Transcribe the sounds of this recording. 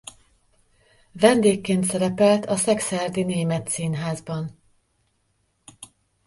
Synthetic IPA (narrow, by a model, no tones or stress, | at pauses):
vɛnd̪eːkːeːnt̪sɛɾɛpɛlt̪ʰɒsɛksɛrd̪ineːmɛt̪siːnɦaːzbɒn